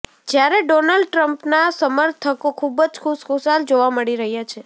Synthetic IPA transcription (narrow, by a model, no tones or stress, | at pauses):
d͡ʒjaɾeɖonalɖ̚ʈɾəmpnasəməɾt̪ʰəkokʰubəd͡ʒkʰuʃkʰusald͡ʒoʋaməɽiɾəɦjat͡ʃʰe